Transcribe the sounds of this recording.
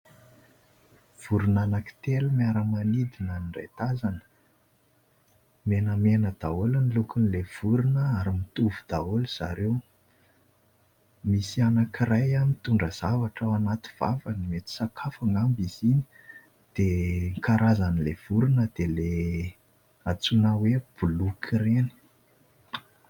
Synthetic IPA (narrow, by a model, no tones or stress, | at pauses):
v̥uɾunanaki̥t̪elumiaɾəmanid̪inanirḛt̪azanə̥ | menəmenəd̪̥aolinilukunilev̥uɾunəaɾimit̪uvud̪̥aoluz̥a̰ɾew | misianakirajamit̪uɳɖ͡ʐəz̥avaʈ͡ʂəanat̪i̥v̥a̰vanimet̪i̥sakʰafaŋɡambizini̥ | d̪̥eŋkaɾʔazanilev̥uɾunəd̪̥ele | at͡sunaweb̥ulukʰireni̥